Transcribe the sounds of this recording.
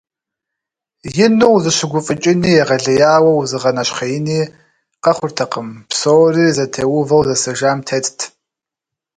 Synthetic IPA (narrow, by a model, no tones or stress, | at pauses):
jɪnuwzɨɕɪɡʷʊfʼɨt͡ʃʼɪniːjɛʁɐɮɐjaːwɐwzɨʁɐnɐɕχɐjɪniː | qɐχʷʊrtʰɐqəmpsoːriːzɐtʰeːwʊvɐwzɐsɐʒaːmtʰetʰʼtʰ